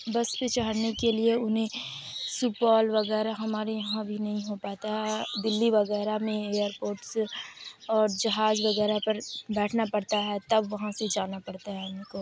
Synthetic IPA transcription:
bɐspet͡ʃaɦəɽnekelieʊnɦẽ | suːpaːlʋɐɣɛːɾaɦɐmaːɾejɐɦãbʱinɐɦĩɦopaːt̪aɦɛd̪ɪlːiʋɐɣɛːɾamẽeːəɾpoːɾʈs | ɔːɾd͡ʒɐɦaːd͡ʒʋɐɣɛːɾapɐɾbɛːʈʰnapɐɽt̪aɦɛt̪ɐbʋɐɦãsed͡ʒaːnapɐɽt̪aɦɛʊnko

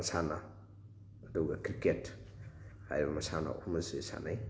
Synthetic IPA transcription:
ɐsanaː | duɡɐkɾiket | ha̰jɾibɐmɐsana̰ʔumɐzesa̰naj

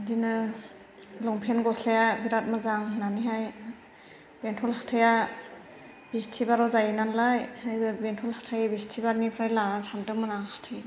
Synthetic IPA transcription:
dinɯ | lɔŋpʰenɡɔslajabiɾat̚mazaŋnaniɦaj | bentʰɔlhatʰaja | b̥istʰibaɾɔzajɯnanlajhajɯbentʰɔlhatʰajbistʰibaɾnipʰɾajlaatʰandɯmɯnaŋhḁtʰaj

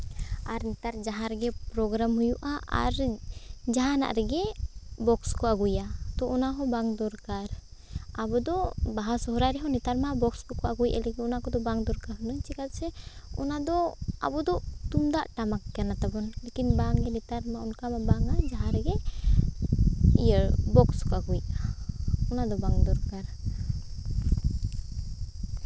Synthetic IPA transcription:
aɾnit̪aɾd͡ʒaɦaɾɡɛpɾɔɡɾamɦujuʔaʔa̰ɾ | d͡ʒaɦana̰ʔɾɛɡɛbɔkskɔaɡujat̪ɔʔɔnaɦɔ̃baŋd̪ɔɾkaɾabɔd̪ɔbaɦasɔɦɔɾajɾɛɦɔnit̪aɾmabɔkskɔkɔaɡujʔɛ̰lɛɡɛɔnakɔd̪ɔbaŋd̪ɔɾkaɾɦnaɲt͡ʃikat̪sɛɔnad̪ɔa̰bɔd̪ɔt̪umd̪aʔʈamakːɛnat̪abɔnlekinbaŋɛnit̪aɾmaɔnkamabaŋad͡ʒaɦaɾɛɡɛ | ḭjəɾbɔkskɔaɡujaɔnad̪ɔbaŋd̪ɔɾkaɾ

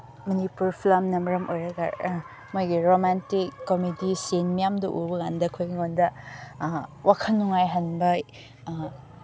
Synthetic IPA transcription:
mɐnipuɾpʰlɐmnɐmɐɾɐmʔojɾɐɡa̰ɾ | mojɡiɾomantikːomidisenmijamdɐʔṵɾbɐɡandɐkʰojɡiŋondɐ | wʔakʰɐlːuŋajɦɐnbɐ

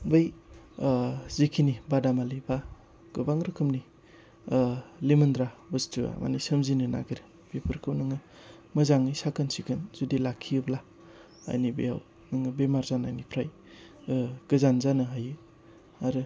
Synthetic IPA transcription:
bɯj | zikʰinibadamaliba | ɡ̥ɯbaŋɾɯkʰɯmni | limɯndɾabɯstua̰ma̰nisəmzinɯna̰ɡiɾi | b̥epʰɯɾkʰɯwnɯŋɯ | mɯzaŋisakʰɯnsikʰɯnz̥udilakʰːiɯbla | a̰jnibḛja̰w | nɯŋɯbemaɾzanajnipʰɾaj | ɡ̥ɯzanzanɯɦajɯ | aɾɯ

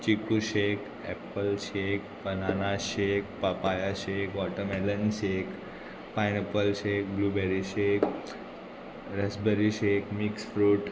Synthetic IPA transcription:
t͡ɕikuɕek | ɛpəlɕekpənanaɕek̚papajaɕekʋɔʈəmɛlənɕek | pajnepəlɕek̚blubɛɾiɕek | ɾɛsbɛɾiɕekmiksfɾuːʈ

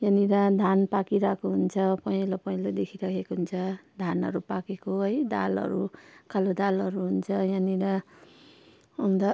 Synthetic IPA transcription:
jʌniɾʌd̪ʱanpakiɾakʰoɦunt͡sʰʌpʌj̃lopʌjlod̪ekʰiɾakʰekoɦunt͡sʰʌd̪ʱanʌ̰ɾupakekoɦʌjd̪a̰lʌ̰ɾukʰalod̪alʌɾuɦunt͡sʰʌjʌniɾʌ | ʌmd̪ʌ

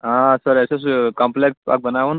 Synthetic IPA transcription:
ɦãsəɾeseskamplekspa̰k̚bənaʋun

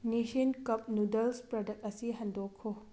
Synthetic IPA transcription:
niʃinkɐp̚nudɐlspɾɐdɐk̚t̚ɐsiɦɐndokʰːo

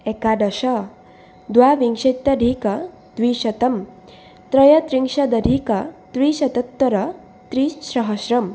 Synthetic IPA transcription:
ekaɖ̪ɐɕɐ | d̪ʋaʋiŋʂet̪ːɐɖʱikɐ | d̪̥ʋiːɕɐt̪ɐm | t̪ɾɐjɐt̪ɾiŋʂɐd̪ɐdʱikɐt̪ʋiɕɐt̪ɐt̪ːɐɾɐ | t̪ɾiɕɾɐɦəɕɾɐm

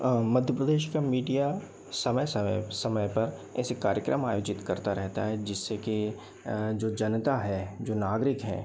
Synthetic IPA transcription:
mɐd̪ʱjəpɾəd̪eːʃkamiːɖija | sɐməjsɐsɐməjpɐɾɛ̰sekaːɾjəkɾʔəmaːjoːd͡ʒɪt̪kɐɾt̪aɾɛɦt̪aɦɛd͡ʒɪsːeki | d͡ʒoːd͡ʒɐnət̪aɦɛd͡ʒoːnaːɡɾɪkɦɛ̰̃ː

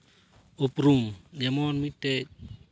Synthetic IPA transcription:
opɾumjamonmite

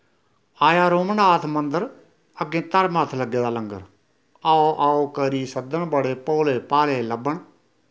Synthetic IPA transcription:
aːjaːɾoːməɳaːt̪ʰmə̃nd̪əɾ | əɡẽːt̪əɾmaːt̪ʰləɡːeːd̪aːləŋɡə̰ɾ | aoʔaːokəɾiːsəd̪əɳbəɽeːpoːleːpaːleːləbəɳ

